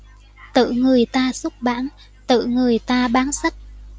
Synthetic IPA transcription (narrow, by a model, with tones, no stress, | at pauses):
t̪ɨ̰˧˨ŋɨ˨˩əjt̪aː˧sʊ˦˥k͡p̚ɓa̰ː˧˥n | t̪ɨ̰˧˨ŋɨ˨˩əjt̪aː˧ɓaː˨˦nsa˦˥k̚